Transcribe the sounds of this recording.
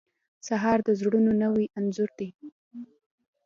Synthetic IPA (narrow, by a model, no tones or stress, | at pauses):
saɦɑɾd̪əzɽunonəwiʔanzʊɾd̪i